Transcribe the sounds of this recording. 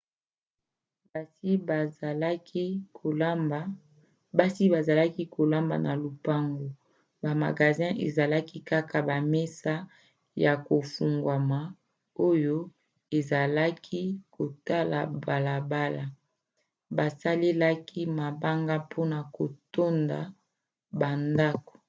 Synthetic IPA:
ba˦si˦ba˨za˨la˦ki˦kʰo˨la˦mba̰˨na˨lu˨pa˦ŋɡo˨ | ba˨ma˨ɡa˨zɛ̃˦ʔḛ˨za˨la˦ki˦ka˦ka˨ba˨me˦sa˦ | ja˨ko˨fu˨ŋɡwa˨ma˨ | o˦jo˦ | e˨za˨la˦kʰi˦ko˨ta˦la̰˨ba˨la˨ba˦la˨ | ba˨sa˦le˦la˦ki˦ma˨ba˦ŋɡa˦pʰo˦na˨ko˨to˦nda̰˨ | ba˨nda˦ko̥˨

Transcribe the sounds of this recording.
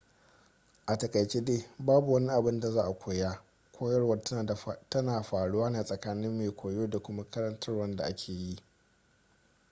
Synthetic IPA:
ʔa˨tɐ˨kʼɐ˨jt͡ʃeː˦deː˦baː˦bu˨wɐ˦ni˦ʔa˨bɪ˦nda˨zaː˦ʔa˨kʷʰoː˨jaː˦ | kʷʰoː˦jɐ˦rwɐ˦˨tɐ˦naː˨ɸaː˨ɽʊ˦waː˦naː˨sʼɐ˨kaː˦nɪ˦mːeː˨kʷʰoː˨joː˦da˨kʷʊ˦ma˦kɐ˦ɾɐ˦ntʰɐ˦rwɐ˦nda˨ʔa˦kʲʰeː˨ji˦ʔ

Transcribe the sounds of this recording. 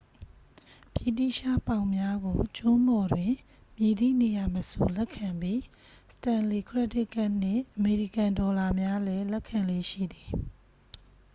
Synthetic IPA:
pji˦˨tḭ˦˨ʃa˦˨pã˨ʊ̃mja˦ɡo˨t͡ɕʊ̃˦mbɔ˨dwɪ̃˨ | mje˨d̪ḭ˦˨ne˨ja˨məso˨lɛ˦kʰã˨mbji˦ | sə̥tã˨nli˨kʰɹɛ˦tɪ˦ʔka˦ʔn̥ɪ̰̃˦˨ʔəme˨ɹi˨kã˨ndɔ˨la˨mja˦lɛ˦lɛ˦kʰːã˨nle˦˨ʃḭ˦˨d̪i˨

